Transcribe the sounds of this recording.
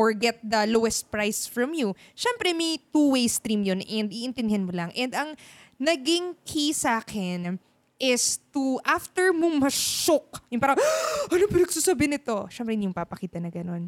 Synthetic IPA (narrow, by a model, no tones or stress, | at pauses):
ɔɹɡɛt̪̚d̪ɐlowɛst̪̚pɹajsfɹɐmju | ʃɛmpɾɛmɐjt̪uwejst̪ɾimjonʔɛnd̪iʔɪnt̪ɪnd̪ɪhɐnmolɐŋʔɛnd̪ɐŋnɐɡɪŋkʰisaːkʰɪn | ʔɪst̪uʔaft̪ɛɹmoŋmɐʃok̚jʊŋpaːɾɐŋɐlopɪnɐɡ̚susɐbɪnɪt̪o̞ʃɛmpɾɛnjʊŋpapɐkiːt̪ɐnɐɡɐno̞n